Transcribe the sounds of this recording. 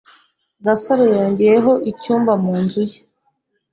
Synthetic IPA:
ɡasaɾijoːɲɟijeɦo̞ʔicuːmvamuːnzuje̥

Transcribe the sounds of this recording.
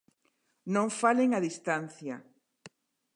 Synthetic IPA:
nõŋfaleŋaðist̪an̟θja

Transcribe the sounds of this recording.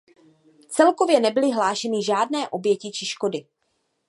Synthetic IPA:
t͡sɛlkovjɛnɛbɪlɪɦlaːʃɛnɪʒaːdnɛːʔo̞bjɛcɪt͡ʃɪʃko̞dɪ

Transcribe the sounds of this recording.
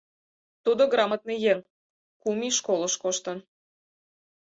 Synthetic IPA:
t̪ud̪oɡrɑmət̪̚nejeŋ | kumiʃkolˠəʃkoʃt̪ə̆n

